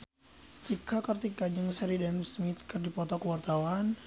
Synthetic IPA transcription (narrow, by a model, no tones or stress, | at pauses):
t͡ʃikʰakərt̪ikad͡ʒəŋsɛɾidamsmit̪̚kɨrdipɔt̪ɔkəwart̪awan